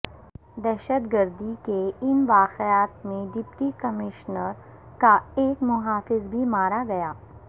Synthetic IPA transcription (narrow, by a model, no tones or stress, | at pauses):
d̪ɛːʃət̪ɡəɾd̪ikeɪnʋaːqjaːt̪mẽɖɪpʈikɐmɪʃnəɾ | kaeːkmʊɦaːfɪzbʱimaːɾaɡɐjaː